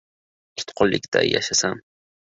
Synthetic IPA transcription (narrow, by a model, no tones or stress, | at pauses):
kʰɪ̥t̪qʰolːɪkt̪ʰa̰ja̰ʃasam